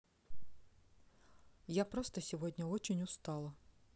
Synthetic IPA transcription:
japɾost̪əsʲɪvodʲnʲəot͡ɕɪnʲʊst̪ɑlˠə

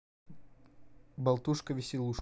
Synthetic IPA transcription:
bɐlˠt̪uʂkəvʲɪsʲɪlˠuʂ

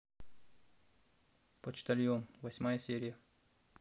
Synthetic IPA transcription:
pot͡ʃt̪ɐlʲjomvɐsʲmajəsʲeɾʲɪjə

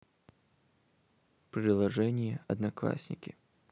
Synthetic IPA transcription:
pɾʲɪlˠɐʐɛnʲɪjəɐd̪nɐklˠa̰sʲnʲɪkʲɪ

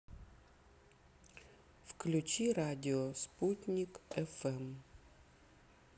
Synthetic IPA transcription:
fklʲut͡ɕiɾadʲɪɔsputʲnʲikɛfɛm

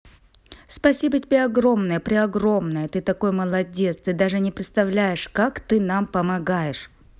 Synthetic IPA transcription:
spɐsʲibətʲɪbʲeɐɡro̞mnəjəpɾʲɪɐɡro̞mnəjət̪ɨt̪ɐko̞jməlˠɐdʲe̞t̪st̪ɨd̪aʐɨnʲɪpɾʲɪt̪st̪ɐvlʲæjɪʂkakt̪ɨnampəmɐɡajɪʂ

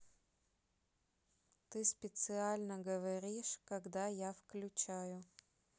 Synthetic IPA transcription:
t̪ɨspʲɪt̪sɨalʲnəɡəvɐɾʲiʂkɐɡd̪ajafklʲʉt͡ɕajʊ

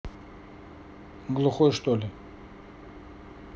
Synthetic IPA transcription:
ɡlˠʊxɔjʂt̪olʲɪ

